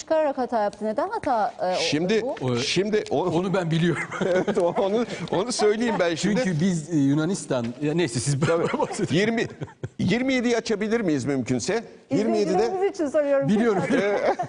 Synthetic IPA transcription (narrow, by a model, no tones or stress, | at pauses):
t͡ʃʰɯ̥kaɾaɾakhat̪ʰaːjap̚t̪ʰɯned̪ænhɦat̪ʰːaːʃimd̪ɪʃimd̪ɪʔoonubænbilʲijo̞ɾumevɛt̪oonuo̞nusø̞jlʲejimbænʃimyɲd̪ɪybizjunanist̪ananejsɛsizb̪ʰabibasejiɾmijiɾmijed̪ijat͡ʃʰabilʲiɾmijizmymcʰynsɛ | jiɾmije̞d̪id̪ɛmizit͡ʃʰinsoɾujo̞ɾumbilʲijo̞ɾumeɛ